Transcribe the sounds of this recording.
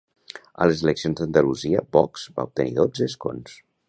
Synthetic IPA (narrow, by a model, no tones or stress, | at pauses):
ə̰ləzeləksionzðənd̪əluziəbɔkz̥ba̰up̚t̪ənḭðod͡zəsko̰ns